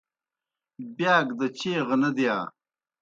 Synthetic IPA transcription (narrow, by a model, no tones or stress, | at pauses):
bjaːɡd̪ət͡ɕeːʁnɐd̪jaː